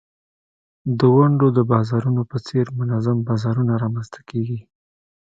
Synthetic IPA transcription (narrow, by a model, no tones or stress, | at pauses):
d̪əwaɳɖod̪əbɑzɑɾunopət͡seɾmʊnazambɑzɑɾunaɾɑmanzt̪ʰḁkeɡi